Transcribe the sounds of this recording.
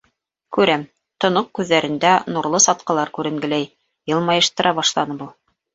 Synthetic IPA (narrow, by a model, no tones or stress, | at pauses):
kʉɾæm | t̪ŏnoq̚kʉðːæɾɘ̆nd̪ænuɾlˠɤsɑt̪qɤ̆lˠɑɾkʉɾɘ̆ŋɡɘ̆læj | jɤ̆lˠmɑjɤ̆ʃt̪ɤ̆ɾʔɑβɑʃlˠɑnɤbulˠ